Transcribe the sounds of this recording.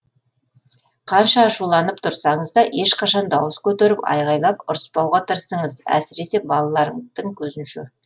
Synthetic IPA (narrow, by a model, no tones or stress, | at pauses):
qʰɑnʃɑːʃulˠɑnəpt̪ʰʊɾsɑɴəzd̪ɑʔe̞ʃqɑʃɑnd̪ɑwəskʲʰɵt̪eɾɪpɑ̰jʁɑjlˠɑpʊɾəspɑwʁɑt̪ʰəɾsəɴəzæ̰sɪɾe̞se̞bɑlˠɑlˠɑɾəd̪̥əŋkʲʰɵzɪnʃḛ